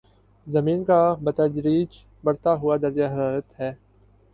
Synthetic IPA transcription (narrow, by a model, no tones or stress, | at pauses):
zɐmiːnkabɐt̪əd͡ʒɾiːd͡ʒ | bɐɽt̪aɦʊad̪ɐɾd͡ʒaɦɐɾaːɾət̪ɦɛː